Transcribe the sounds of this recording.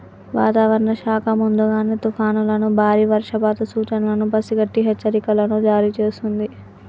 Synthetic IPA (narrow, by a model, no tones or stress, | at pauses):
ʋa̰ːt̪aːʋɐɾɐɳɐʃaːkʰɐmund̪uɡaːneːt̪upʰaːnulɐnubʱaːɾiːʋɐɾʂɐbaːt̪ɐsuːt͡ʃɐnlɐnubɐsiɡɐʈːiɦɛt͡ʃːt͡ʃːɐɾikɐlɐnud͡ʒaːɾiːt͡ʃeːsund̪i